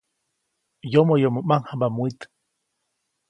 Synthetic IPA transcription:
jomojomomaŋhabamuit̪

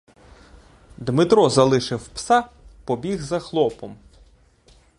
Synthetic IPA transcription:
d̪mɪt̪ɾɔzɐlˠɪʃɪwpsɑpɔbʲiɣzɐxlˠɔpɔm

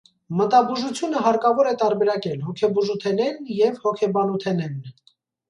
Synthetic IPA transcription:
mət̪ɑbuʒut͡sʰjunəɦɑɾkɑvɔɾɛt̪ɑɾbɛɾɑkɛlɦɔkʰɛbuʒut̪ʰɛnɛnjɛvhɔkʰɛbɑnut̪ʰɛnɛn

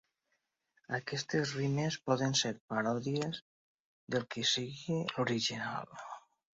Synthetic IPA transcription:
akɛst̪ezrimespɔðənseɾpaɾɔðiez | ðelˠkisiɣiluɾiʒina̰l

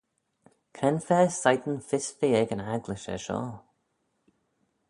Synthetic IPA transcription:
kʰɾɛnfɛːsajd̪ən̩fɪsfiɛɡənaɡlɪʃə̰ʃɔ̰ː

